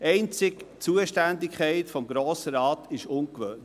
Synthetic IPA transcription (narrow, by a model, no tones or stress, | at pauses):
ɛɪnt͡sɪkt͡suəʃtændɪkʰχɛɪtfɔmɡɾoːsəɾɑːt̪ʰɪʃʊnkʋøːn